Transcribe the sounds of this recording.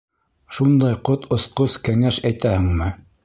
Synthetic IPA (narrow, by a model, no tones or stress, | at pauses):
ʃund̪ɑjqot̪ʰŏsqoskæŋæʃæjt̪æhɘ̆ŋmɘ